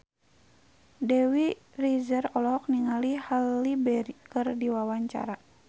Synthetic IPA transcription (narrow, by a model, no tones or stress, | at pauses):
dɛwi | rizərɔlɔɔk̚niŋalihalːibɛɾikɨrdiwawaɲt͡ʃa̰ɾa